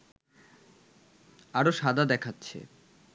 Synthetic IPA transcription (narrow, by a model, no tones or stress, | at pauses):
aɾoʃad̪ad̪ɛkʰatːɕʰḛ